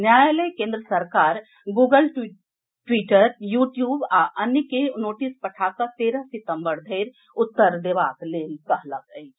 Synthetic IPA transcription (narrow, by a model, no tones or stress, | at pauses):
njaːjlekẽːnd̪ɾəsəɾkaːɾ | ɡuːɡəlʈ | ʈwiːʈəɾjuːʈjuːbaʔənjkenoːʈispəʈʰaːsat̪eːɾəɦsɪt̪ə̃mbəɾd̪ʱeːɾ | ʊt̪ːəɾd̪eʋaːk̪leːlt̪əɦləkəi